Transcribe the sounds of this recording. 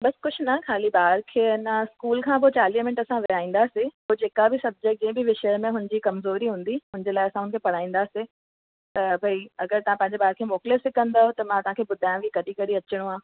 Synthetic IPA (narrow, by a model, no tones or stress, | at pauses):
bɐskʊd͡ʑʰnɐkʰaːlibaːɾkʰeːɐnaskuːlkʰãːpot͡ɕaːliɦmɪnɪʈəsãʋɪaːĩːn̆d̪asepoːd͡ʑeːkabɪsɐb̚d͡ʑek̚ʈ̚d͡ʑɐ̃ɪ̃bɪʋɪʃəmẽɦʊ̃nɪd͡ʑikɐmzoːɾiɦũːn̆d̪iɦʊ̃nɪ̃ɲd͡ʑelaːɪɐsãɦʊnkʰepɐɽaːĩːnd̪ase | t̪ɐbʱɐiɐɡəɾt̪ɐʋ̤ãpɐ̃ɦɪ̃ɲd͡ʑebaːɾkʰeːmoːklesɪkə̃nd̪aːɦot̪ɐmãːt̪ɐ̤ãkʰeːbʊd̪ʱaːj̃ʊ̃ʋikɐɗikɐɽiɐt͡ɕɪɽ̃uaː